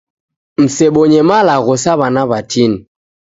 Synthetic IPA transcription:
m̩sɛɓɔɲɛmalaɣɔsaβanaβatʰini

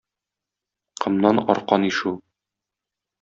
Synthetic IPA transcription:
qɤ̆mnɑnɒ̰ɾqɑniʃu

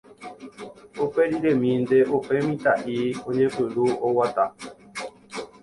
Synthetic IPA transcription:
opeɾiɾemĩnd̪eʔopemĩt̪aʔioɲẽpɨluowat̪a

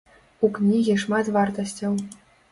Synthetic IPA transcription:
uknʲiɣʲiʂmɑt̪vart̪ɐsʲtʲɐw

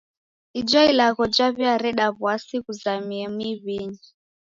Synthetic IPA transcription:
id͡ʒɔilaɣɔd͡ʒaβiaɾɛɗaβasiɣuzamiɛmwiβiɲi

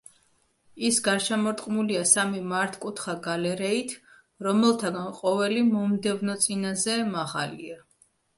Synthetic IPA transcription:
isɡaɾʃɛmɔɾt̪ʼqʼmuliasamimaɾt̪ʰkʼut̪ʰχaɡalɛɾɛit̪ʰ | ɾɔmɛlˠt̪ʰaɡanqʼɔvɛlimɔmd̪ɛvnɔt̪sʼinazɛmaʁa̰lḭa

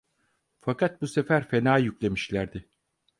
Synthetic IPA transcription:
fakʰat̪̚buse̞fæɾfe̞naːjyclʲe̞miʃlʲæɾd̪ɪ

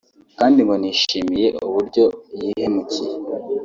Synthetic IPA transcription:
kaːndiŋɡoniːʃiːmije̞ʔuβuɾɟo̞jiːhe̞mucije

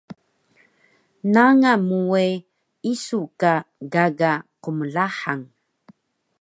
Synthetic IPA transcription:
naŋamue | isukaɡaɡaquməɮaħaŋ

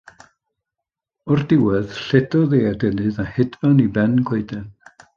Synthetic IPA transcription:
ɔrdɪwɛð̥ɬɛdɔðeːadənɨðahɪdvanibɛnɡʰweɨdɛn

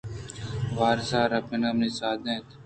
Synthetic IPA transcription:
ʋaːɾsaːɾɐpenamniːsaːd̪ẽːt̪

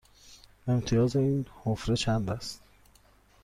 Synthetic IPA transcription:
e̞mt̪ʰijɒːze̞iːnhofɾet͡ʃʰæmbæst̪

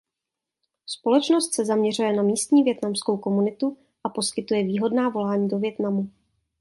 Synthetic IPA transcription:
spo̞lɛt͡ʃnost̪sɛzamɲɛr̝ujɛnamiːst̪ɲiːvjɛt̪namskowko̞munɪt̪u | ʔapo̞skɪt̪ujɛviːɦo̞dnaːvo̞laːɲiːdo̞vjɛt̪namu

